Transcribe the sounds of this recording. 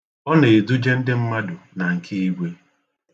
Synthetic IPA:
ɔ˦ne˨du˦d͡ʒe˦n̩˦dɪ˦m̩˦ma˦dʊ˨na˨ŋ̩˨kʰi˦i˦ɡʷe˦

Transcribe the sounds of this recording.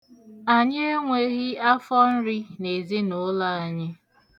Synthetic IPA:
a˨ɲe˦e˦ŋʷe˦ɣi˦a˦fɔ˦n̩˦ɾi˦ne˨zi˦nʊ˦la˦a˨ɲɪ˦

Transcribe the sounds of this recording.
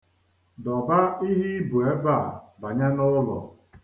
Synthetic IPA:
dɔ˨ba˦i˦ɦi˦bu˨e˦ba˦˨ba˨ɲa˦nʊ˦lɔ̰˨

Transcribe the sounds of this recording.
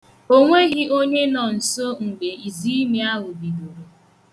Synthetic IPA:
o˦ŋʷe˦ɣi˦ʔo˦ɲe˦nɔ˨n̩˨so˦ŋ̩˨ɡ͡be˨i˨zi˦mi˦a˦ɦʊ˨bi˨du˨ɾe˨

